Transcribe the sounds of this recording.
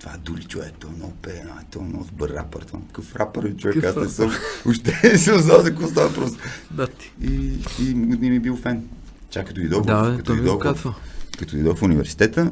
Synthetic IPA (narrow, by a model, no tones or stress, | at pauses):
t̪va̰d̪ulit͡ʃuvɛt̪ɔnɔpɛnaɛt̪ɔnɔ̰d̪bəɾa̰pəɾt̪va̰kəfɾapəɾlit͡ʃʊvɛkkasɛsoʊʃt̪ɛsəmznalzɐkoɔs̬t̪avɐpɾɔst̪ | iimɡd̪nʲimibilˠfɛn | t͡ʃakːɐt̪oid̪ɔɡkɐt̪id̪ɔkɐt̪ɔid̪ɔfunivɛɾsi̥t̪ɛt̪ə